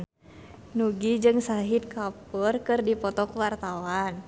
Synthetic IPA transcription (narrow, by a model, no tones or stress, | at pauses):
nuɡid͡ʒɨŋsaɦit̪̚kapərkɨrdipɔt̪ɔkwart̪awan